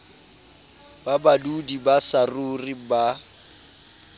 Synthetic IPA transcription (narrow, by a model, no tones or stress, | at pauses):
babadudibasaruriba